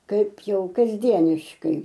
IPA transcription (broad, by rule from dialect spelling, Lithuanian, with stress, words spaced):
ˈkɐɪp ˈjɛʊ kɐzʲˈdʲiɛnʲɪʃkɐɪ